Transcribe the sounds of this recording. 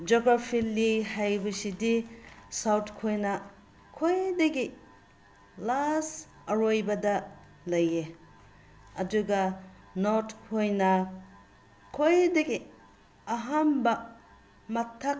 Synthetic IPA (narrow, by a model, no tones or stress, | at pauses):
d͡ʒoɡɾapʰilːihajbɐsidisawtʰkʰojnɐ | kʰojdɐɡi | las | ɐɾojbɐdɐ | lɐje | ɐduɡɐ | nothojnɐ | kʰojdɐɡi | ɐɦambɐ | mɐtʰːak̚